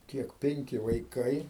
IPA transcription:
ˈkʲiɛk ˈpʲɛŋʲkʲɪ ʋɐɪˈkɐɪ

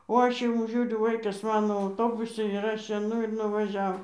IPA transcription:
oː ˈɐʃ ɪˈmʊ ˈʒʲuːrʲʊ ˈʋɐɪkɐs ˈmɑːnoː ɐʊˈtoːbʊsʲɪ ɪr ˈɐʃ ɛɪˈnʊ ɪr nʊʋɐˈʒʲɛw

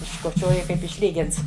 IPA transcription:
ɪʃkoːˈt͡ʃʲoːjɪ kɐɪp ɪʃʲˈlʲiːɡʲɪnts

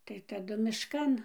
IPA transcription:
tɐɪ tɐˈdʊ mʲɪʃˈkɐn

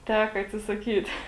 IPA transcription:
ˈtʲæːkɐ ɐtʲsʲɪsɐˈkʲiːt

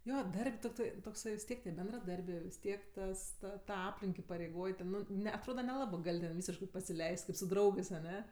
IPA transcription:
ˈjoː ˈdɐrʲpʲ toːkˈtɐɪ toːkˈsɐɪ ʋʲɪs ˈtʲiɛk tʲiɛ bʲɛndrɐˈdɐrʲbʲeː ʋʲɪs ˈtʲiɛk ˈtɐs ˈtɐ tɐ ˈɑːpʲlʲɪŋk ɪpɐrʲɛɪˈɡoːj ˈtʲɛn ˈnʊ ˈnʲɛ ɐtˈroːdɐ nʲɛˈlˠɑːbɜ ˈɡɐlʲ tʲɛn ˈʋʲiːsʲɪʃkɜ pɐsʲɪˈlʲɛɪsʲtʲ ˈkɐɪp sʊ ˈdrɐʊɡɜs ɐˈnʲɛ

